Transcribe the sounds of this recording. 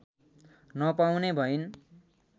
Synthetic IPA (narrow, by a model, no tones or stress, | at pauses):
nʌpawnebʱʌin